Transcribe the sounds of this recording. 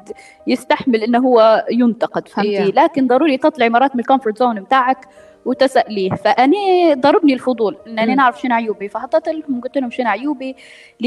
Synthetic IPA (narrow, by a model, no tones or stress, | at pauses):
d̪ | jɪst̪aħmɪlʔɪnːɦʊwːajʊnt̪ɑqɪd̪fhamfiːlaːkɪnd̪ˤɑɾuːɾit̪ɑt̪ˤlɑʕimɑɾˤɑːt̪̚mɪnɪlkomfʊɾˤt̪zoːnbɪt̪aːʕak | wɪt̪asaʔliːhfaʔanid̪ˤɑɾˤːɑbnilfʊd̪ˤuːlʔɪnːʔanːinaʕɾˤɑfʃɪnʕajuːbifahɑt̪ɑt̪ˤɪlhʊmɡʊt̪ːɪlhʊmʃɪnʕajuːbi | l